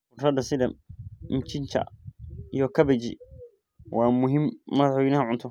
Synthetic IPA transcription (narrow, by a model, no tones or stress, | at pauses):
ʊrɐd̪ɐsɪd̪ɐmɪmt͡ʃʰɪnt͡ʃʰɐ̰ijɔkʰɐbɛt͡ʃɪ̰ | wɑːmʊɦɪmːɐðħwɛjnɐɦɐʕʊnt̪ʰɔ